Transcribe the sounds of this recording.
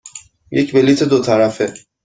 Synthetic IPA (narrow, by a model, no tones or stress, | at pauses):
jecbelit̪ʰed̪ot̪ʰaɾafe